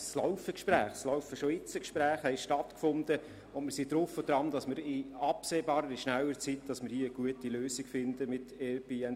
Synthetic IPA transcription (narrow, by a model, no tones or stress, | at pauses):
slaʊfəkʃpræːχslaʊfəʃoɪt͡səkʃpɾæːχhɛɪʃtɑtkfʊnd̥ə | ʊnmɪɾsidɾʊfod̥ɾɑmd̥ɑsmɪɾɪɑpseːbɑːɾəɾɪʃnæwəɾt͡sitd̥ɑsmɪɾhiəəɡ̥uətiløːsikfɪnd̪əmɪtɛbiɛn